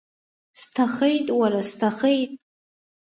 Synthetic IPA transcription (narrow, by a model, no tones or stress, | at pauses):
stʰaχejtʼwaɾastʰaχejtʼ